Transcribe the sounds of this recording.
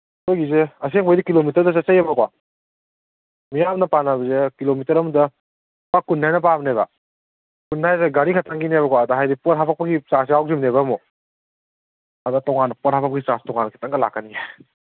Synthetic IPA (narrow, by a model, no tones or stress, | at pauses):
hojɡizeɐs̬eŋbajdikilomitɐɾdɐsasajebɐkwa | mijamnɐpanabɐzekilomitɐɾɐmudɐ | kakunːajnɐpabnebɐ̰ | kunːajzeɡaɾikʰatʰaŋɡinebɐkwaːdɐɦajdipɔt̚ɦapʰak̚pɐɡisas̬iawzimneβɐmo | ɐdɐtɔŋanɐpɔt̚hapʰak̚pɐɡisastɔŋanːɐkʰḁtʰaŋɡɐla̰kːanija